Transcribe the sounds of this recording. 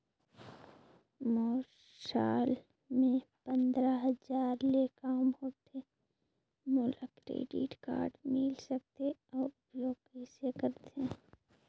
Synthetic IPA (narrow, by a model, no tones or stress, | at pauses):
moː | ʃaːl | mẽpə̃nd̪ɾaɦəzaːɾlekaːmɦoːt̪eː | moləkɾḛːɖḭʈka̰ːɾɖmɪlsək̚t̪eɔːɾbjoːkisekəɾt̪eɛ̃ː